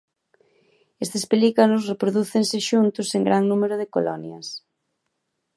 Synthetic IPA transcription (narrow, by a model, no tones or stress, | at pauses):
est̪espelikanʊsrepɾoðuθeŋsɪʃunt̪ʊseŋɡɾaŋnumeɾʊðɪko̰lɔ̰njɐs